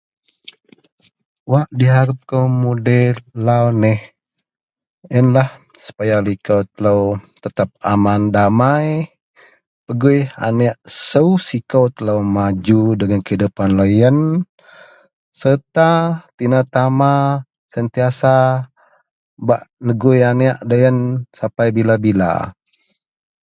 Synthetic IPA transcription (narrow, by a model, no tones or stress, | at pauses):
waʔdiɦaɾəp̚kəwmudɛlawnɛh | ənlah | sə̥pajalikəwt̪ələwt̪ət̪ap̚amandamaj | pəɡuja̰nɛʔsəusikəwt̪ələwmad͡ʒudəŋankəidupanləjən | sət̪at̪inat̪ama | sənt̪iasa | baʔnəɡujaniaʔdəjənsapajbilabila̰